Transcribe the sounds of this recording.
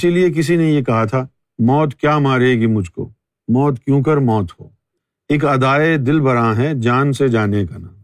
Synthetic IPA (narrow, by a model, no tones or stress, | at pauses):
ɪsiliek̬ɪs̬inejekɐɦat̪ʰaː | mɔːt̪kjaːmaːɾeːɡimʊd͡ʒʱko̰ː | mɔːt̪kjõːk̬ɐɾmɔːt̪ɦo̰ː | eːkɐd̪aːed̪ɪlbɐɾãːɦɛd͡ʒaːnsed͡ʒaːnekanaː